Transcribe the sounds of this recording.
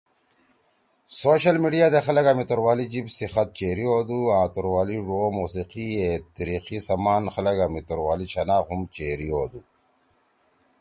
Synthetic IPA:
soːɕɐlmiːɖijaːd̪exɐlɐkamit̪oɾwaːlid͡ʑibsixɐt̪̚t͡ɕeːɾioːd̪uãːt̪uɾwaːliʐoːmuːsiqiet̪ɐɾiːqisɐmaːnxɐlɐɡamit̪oɾwaːlit͡ɕʰɐnaːxhumt͡ɕeːɾioːd̪u

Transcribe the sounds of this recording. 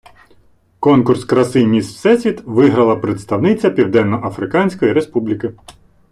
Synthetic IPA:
kɔnkʊrskɾɐsɪjmʲissɛsʲit̪ʋɪɦɾɐlˠɐpɾet̪st̪ɐwnɪt͡sʲɐpʲiwd̪ɛnːɔʔɐfɾɪkɑnʲsʲkɔjiɾespublʲikɪ

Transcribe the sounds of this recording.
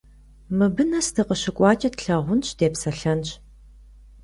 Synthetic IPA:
mɨbɨnɐstʰɨqəɕɪkʷʼɑːt͡ʃʼɐtɬɐʁʷʊnɕʼd̥eːpsɐɬɐnɕ

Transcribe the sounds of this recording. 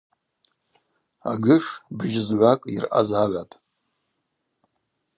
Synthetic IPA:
a̰ɡɨʂbʒɪzʕʷakʼḭrʔa̰zaʕʷatʼ

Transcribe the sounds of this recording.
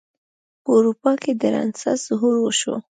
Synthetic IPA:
pəuɾupɑked̪əɾɑ̰nsa̰z̥ʊɦuɾwəʃo̰

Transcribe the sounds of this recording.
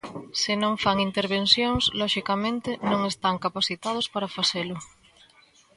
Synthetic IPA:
sɪnõŋfaŋint̪eɾβ̞ensjoŋslɔʃikamẽnt̪ɪnõŋest̪aŋkapaθit̪að̞ospaɾafaselʊ

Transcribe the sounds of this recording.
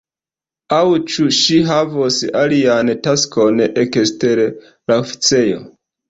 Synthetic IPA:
awt͡ʃuʃiɦavosaliantaskonekesteɾ | laofi̥t͡se̞jo̞̰

